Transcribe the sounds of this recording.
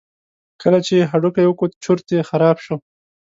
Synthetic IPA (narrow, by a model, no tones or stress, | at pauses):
kəlat͡ʃeɦaɖukajwəkot͡ʃʊɾt̪exaɾɑbʃo